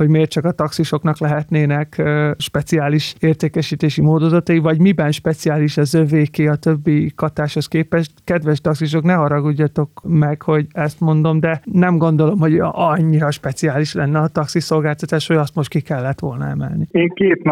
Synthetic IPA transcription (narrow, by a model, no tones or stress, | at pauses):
ho̞ɟmeːrt̪t͡ʃɒkɒt̪ɒksiʃo̞knɒklɛɦɛt̪neːnɛkːʃpɛt̪siaːliʃeːrt̪eːkɛʃiːt̪eːʃimoːd̪ozɒt̪ɒjivɒɟmibɛnʃpɛt̪siaːliʃɒzøveːkeːɒt̪ø̞bːikɒt̪aːʃho̞skeːpɛʃt̪kɛd̪ʋɛʃt̪ɒksiʃ̬o̞knɛɦɒɾɒɡuɟːɒt̪o̞kmɛkho̞ɟɛst̪mo̞nd̪o̞md̪ɛnɛmɡo̞nd̪o̞lo̞mɦo̞ɟɒɲːiɾɒʃpɛt̪siaːliʃlɛnːɛɒt̪ɒksiso̞lɡaːlt̪ɒt̪aːʃhoɟɒst̪mo̞ʃt̪̚kikɛlːɛt̪ʋo̞lnɒ̰ɛ̰mɛ̰lnieːŋkeːt̪n